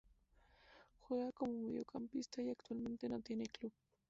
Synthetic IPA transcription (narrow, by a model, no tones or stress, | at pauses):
xʊðakomʊmʊjo̰kʰampɪst̪ajakt̪walment̪enat̪ɪnɪklʊ